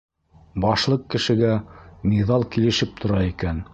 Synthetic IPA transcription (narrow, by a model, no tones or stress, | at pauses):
bɑʃlˠɤqkːɘ̆ʃɘ̆ɡæmiðɑlˠkilɘ̆ʃɘp̚t̪ʰŏɾɑikæn